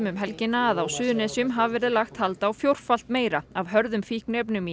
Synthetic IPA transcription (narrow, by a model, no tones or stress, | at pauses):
mʏmɦɛlcɪnaːðawsʏːðʏnɛsjʏmɦavvɛɾɪðlaxt̪halt̪aːwfjowr̥fal̥t̪meːjɾaavɦœɾðʏmfihknep̬nʏmi